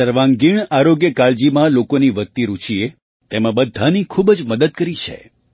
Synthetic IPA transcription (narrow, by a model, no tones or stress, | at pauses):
əɾʋãŋɡiɳaɾoɡjəkaɭd͡ʒimãlokoniʋək̚t̪iɾut͡ʃie | t̪emãbəd̪ʱːanikʰubd͡ʒməd̪əd̪̚kəɾit͡ʃʰḛ